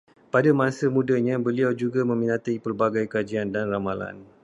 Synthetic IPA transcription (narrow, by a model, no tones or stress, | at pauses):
padamãsəmũdaɲãbəliawd͡ʒuɡamə̃minãt̪ipərbaɡajkad͡ʒiandanramala̰n